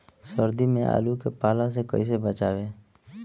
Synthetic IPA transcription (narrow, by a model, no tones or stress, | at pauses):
səɾd̪imẽʔa̰ːlukepaːlãs̬ekə̰is̬ebət͡ʃaːʋeː